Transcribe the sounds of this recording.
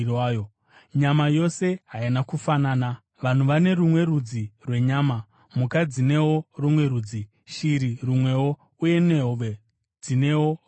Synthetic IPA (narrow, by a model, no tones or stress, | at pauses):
aːjo | ɲamajo̞se̞ɦainakufanaːna | ʋan̤uʋane̞ɾumwe̞rud͡zirwe̞ɲaːma | mukad͡zine̞wo̞rumwe̞ɾuːd͡zi | ʃiɾirumwe̞wo̞ | uje̞neɦoʋe | d͡zine̞wo̞